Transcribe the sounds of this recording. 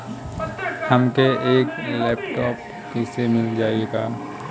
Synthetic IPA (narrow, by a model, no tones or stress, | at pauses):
hɐmkeʔeːklɛːpʈɔːp | kiːsemɪld͡ʒaːeːɡaː